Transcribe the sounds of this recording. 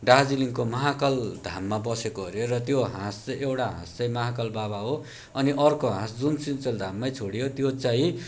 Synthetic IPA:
ɖad͡ziliŋkomʌɦakʌld̪ʱamːabʌsekoʌɾjoɾʌt̪joɦãst͡sʌjʔewʈaɦã̰st͡sʌj̃mʌɦakʌlbaβaɦo | ʌniʔʌrkoɦãsd͡zunsint͡sʌld̪ʱamːajt͡sʰoɽijot̪jot͡saĩ

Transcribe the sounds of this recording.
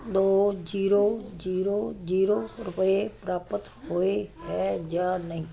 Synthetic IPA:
d̪oːd͡ʒiːɾoːd͡ʒiːɾoːd͡ʒiːɾoːɾʊpepɾaːpət̪ | hoehɛːd͡ʒaːnəɦĩː

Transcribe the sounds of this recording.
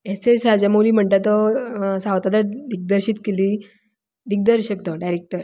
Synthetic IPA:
esesɾad͡ʑamoliːm̤əɳt̪at̪ɔsãwt̪ad̪əɾd̪ik̚d̪əɾɕiːt̪keliː | d̪ik̚d̪əɾɕəkt̪ɔɖajɾek̚ʈəɾ

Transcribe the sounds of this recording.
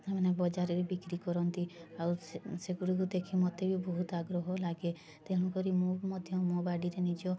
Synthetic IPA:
emanebɔd͡ʒaɾɔɾebikɾikɔɾɔnt̪iawseɡuɽukud̪ekʰimɔt̪ebibɔɦut̪aɡɾɔɦɔlaɡe | t̪eɦɔ̃ɽ̃ũkɔɾimomɔd̪ʱjɔmobaɽiɾenid͡ʒɔ

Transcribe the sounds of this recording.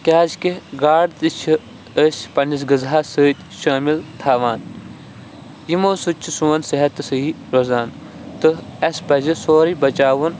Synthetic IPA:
kʲaːzkeɡaːɽt̪it͡ʃʰi | əspɐnʲis̬ɡɨzɦaːsɨːt̪ʲ | ʃaːmilt̪ʰaːʋaːn | jimoːsut͡ʃʰisuwɐnsɐɦɐt̪ːɨsɨi | ɾozaːn | t̪ɨɐspɐzisoːɾibɐt͡ʃaːʋun

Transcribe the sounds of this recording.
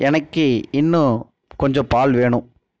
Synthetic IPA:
ʔɛnɐkːɯɪnːɯ̃ | kɔɲd͡ʒɔ̃paːlʋeːɳʊ̃

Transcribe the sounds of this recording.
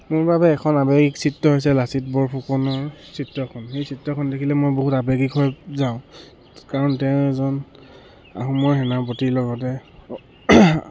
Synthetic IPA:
mʊɹbabɛːkʰɔnabeɡiksitːɔɦojsɛlasit̚bɔɹpʰukɔnɔɹsitːɔkʰɔnxejsʰitːɔkʰɔndekʰilɛmojboɦutabeɡikɦɔjzaʊ̃ | kaɹɔntɛʊ̃ɛzɔn | a̰ɦumɔɹɦɛnapotilɔɡɔt̬ɛ

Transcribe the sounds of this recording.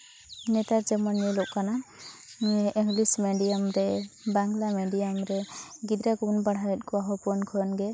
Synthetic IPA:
nɛtazɛmɔnjɛlɔkkːana | iŋɡlismɛɖijamɾɛbaŋɡlameɖijamɾɛɡid̪ɾaɡunbaɽɦajɛt̚kʰɔwaɦɔpɔnkʰɔjɔnɡɛ

